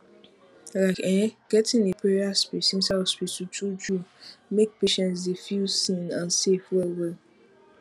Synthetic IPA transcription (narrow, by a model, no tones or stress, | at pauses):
laɪkɛ̃ɡ̥ɛtɪ̃nepʰɹɛɹaspisĩnsaspisutud͡ʒumek̚peʃɛ̃ns̬defilsĩnãnsefwɛlwɛ